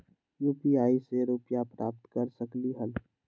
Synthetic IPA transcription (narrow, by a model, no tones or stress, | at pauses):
juːpiaːiseɾuːpjapɾʔa̰ːp̚t̪kəɾsəkliɦəl